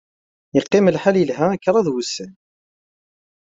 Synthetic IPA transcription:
jəqːɪməlħaljəlɦæækːɾˤɑðwusːən

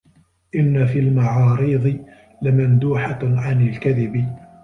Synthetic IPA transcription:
ʔɪnːafiːlmaʕɑːɾiːðˤɨ | lɪmand̪uːħaʕanalkaðɪbɪ

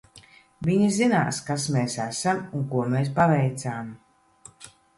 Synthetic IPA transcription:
viɲizina̰ːskasmeːsæsamuŋkuɔmeːs̬pavɛjt̪saːm

